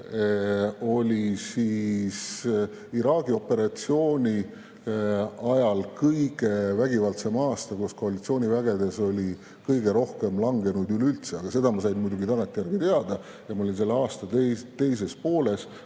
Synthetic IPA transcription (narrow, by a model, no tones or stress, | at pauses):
o̞lʲisiːs | iɾɑːɡio̞pːe̞ɾɑt̪sio̞ːnʲi | ɑjɑlkɤjɡ̥e̞væɡ̥ivɑlt̪semɑːst̪ɑkusko̞ɑlit̪sio̞ːnʲivæɡe̞d̪e̞so̞lʲi | kɤjɡe̞ɾo̞hke̞mlɑŋɡe̞nud̪ylylt̪seɑɡ̥ɑse̞d̪ɑmɑsɑjnmujd̪uɡit̪ɑnɑt̪ːˑejæɾɡ̥it̪e̞ɑd̪̥ɑ | jɑmɑolʲinse̞lːeɑːst̪ɑt̪et̪e̞js̬e̞spo̞ːle̞s